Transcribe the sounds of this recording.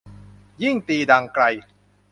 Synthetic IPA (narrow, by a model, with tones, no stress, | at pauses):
ji˥˩ŋt̪iː˧da˧ŋkɾa˧j